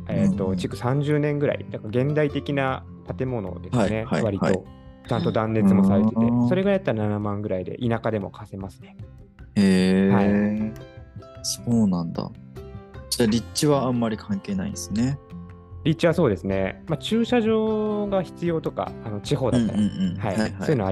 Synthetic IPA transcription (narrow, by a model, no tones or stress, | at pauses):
et̪ːo̞t͡ɕikɯ̟sãɲ̟d͡ʑɨːnẽ̞ŋɡɯ̟ɾa̰ḭd̪akaɡẽ̞nd̪ait̪e̞kʲina | pat̪e̞mo̞no̞̰d̪e̞sɨne̞haβaɾʲit̪o̞t͡ɕãnt̪o̞d̪ãnːe̞t͡sɨmo̞saɾe̞t̪e̞t̪e̞so̞ɾe̞ɡajat̪ːaɾananamãŋɡɯ̟ɾaid̪e̞̰ʔinakad̪e̞mo̞̰kʰase̞masɨ̥ne̞ | ehai | soːnãnd̪a̰ | d͡ʑaːɾʲit͡ɕiβãːmːaɾʲikʰãŋke̞ːna̰ḭ̃sɨne | ɾʲitt͡ɕːiβaso̞ːd̪e̞sɨne̞mat͡ɕɨːɕaʑo̞ːɡaçi̥t͡sɨjo̞ːt̪o̞ka̰ːno̞t͡ɕiɦo̞ːd̪at̪ːaɾhaiojɯnoa